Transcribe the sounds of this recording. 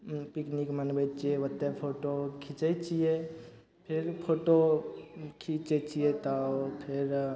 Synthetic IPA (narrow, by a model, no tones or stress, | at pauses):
piknikmənbət͡ʃieʋət̪epʰoːʈokʰit͡ʃet͡ʃije | pʰɪɾpʰoʈo | kʰit͡ʃet͡ʃijet̪apʰɪɾ